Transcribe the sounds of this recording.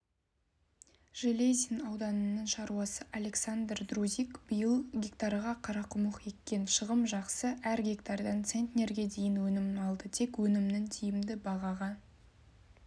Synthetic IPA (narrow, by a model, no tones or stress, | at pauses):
ʒ̥elʲejzʲinɑwd̪ɑnənːəɴʃɑɾuwɑsəʔalʲe̞ksand̪rd̪rozʲikbəjəlˠɡʲekt̪ɑrʁɑqʰɑɾɑqʰʊməqje̞tkʲːe̞nʃəʁəmʒɑqsəʔæɾɡʲekt̪ɑrd̪ɑnt̪se̞nt̪ʲnʲe̞ɾɡʲe̞d̪e̞jɪnwɵnɪmnɑlˠd̪ət̪ʰe̞kwɵnɪmnɪŋt̪ʰijɪmd̪ɪbɑʁɑʁɑ